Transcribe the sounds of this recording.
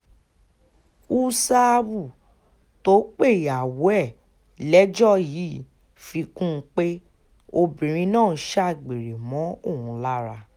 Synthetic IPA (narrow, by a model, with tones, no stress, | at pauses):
u˦sa˦˧bu˦˨ | to˨˦k͡pe˦˨ja˨wu˨˦ɛ˦˨ | lɛ˨˦d͡ʒɔ˦˨ji˨˦ | fi˧kũ˦˧k͡pe˦ | o˧bĩ˨ɾ̃ĩ˧nãː˦˨˦ʃa˦˨ɡ͡be˨ɾe˨mɔ̃˨˦o˦˨hũ˨˧la˦ɾa˧